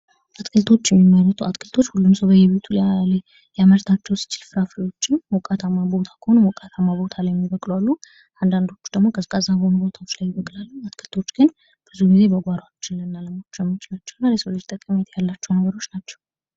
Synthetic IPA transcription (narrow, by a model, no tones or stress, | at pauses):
ʔat̪kʰɨlt̪ʰo̞t͡ʃːjɛmːimːəɾət̪ʰuat̪kʰɨlt̪ʰo̞t͡ʃːhulːumswbəjɛβe̞t̪ʰu | jaməɾt̪ʰat͡ʃːɛwsi̥t͡ʃɪlfɨɾafɾijo̞t͡ʃːɪnwɔkʼat̪ʰamːabo̞t̪ʰḁkʰəhonomwɔkʼat̪ʰamːabo̞t̪ʰalajɛmːibəkʼlwalːu | ʔand̪and̪o̞t͡ʃːu̥d̪əɡmo̞kʰəzkʼəzːabəhonubo̞t̪ʰaot͡ʃlajːɪbəkʼlalːuat̪kʰɨlt̪ʰo̞t͡ʃːɡɨn | b̥ɨzuɡize̞bəɡʷaɾwat͡ʃːɪnlɨnːaləmat͡ʃːɛmːt͡ʃnat͡ʃːɛwnːaɾjesowlɨd͡ʒt̪ʼəkʼːəmet̪ʰjalːat͡ʃːɛwnəɡəɾo̞t͡ʃːnat͡ʃːɛ̥w